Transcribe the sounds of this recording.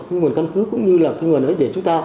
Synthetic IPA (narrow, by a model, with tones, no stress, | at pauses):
xŋ˨˩ənka˧nkɨ˨˦kkʊ̰˧˥ŋ͡mɲɨ˧laː˨˩kaː˧jŋwənʔə˨˦jɗe˧˩t͡ɕʊ˨˦ŋ͡mt̪aː˧